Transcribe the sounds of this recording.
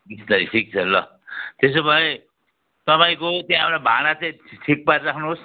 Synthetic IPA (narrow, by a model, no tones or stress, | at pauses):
ɡisnʌɾipʰik̚t͡sʰʌlːʌ̰ | t̪esobʱʌẽ | t̪ʌpaĩkot̪jãapnabʱanat͡saĩʈʰik̚paɾɾakʰnuɦos